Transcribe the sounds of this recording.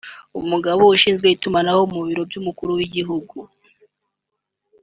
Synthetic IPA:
ṵmuɡaβouʃiːnzɡwe̞itumanahomuβiɾo̞bɟumukuɾuwiɟiɦuɡu

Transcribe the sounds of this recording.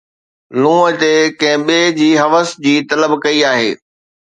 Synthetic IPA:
lũːət̪ekɐ̃ɦɪ̃ɓed͡ʑiːɦɐʋəsd͡ʑiːt̪ɐləbkɐiaːɦḛː

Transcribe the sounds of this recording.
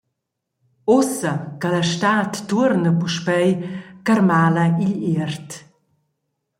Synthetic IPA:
ɔsɐkaləʃtatːuɾnəpuʃpɛjkaɾmaːlɐiʎiɾt

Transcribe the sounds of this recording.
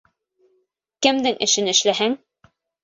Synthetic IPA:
kɘ̆md̪ɘŋʔɘ̰̆ʃɘnɘ̆ʃlæɦæŋ

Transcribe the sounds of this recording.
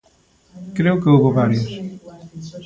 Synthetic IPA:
kɾewkeuβoβaɾjos

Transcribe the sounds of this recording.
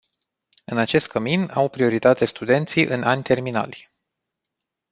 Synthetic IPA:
ɨnat͡ʃe̞st̪̚kʰəminawpɾio̞ɾit̪at̪e̞st̪ud̪e̞nt̪sijʔɨnanʲt̪e̞rmina̰lʲ

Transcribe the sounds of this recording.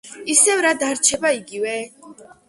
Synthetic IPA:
isɛvɾad̪aɾt͡ʃʰɛbaiɡivɛ

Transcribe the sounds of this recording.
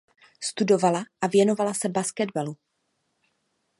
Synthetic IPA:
st̪udo̞valaʔavjɛno̞valasɛbaskɛdbalu

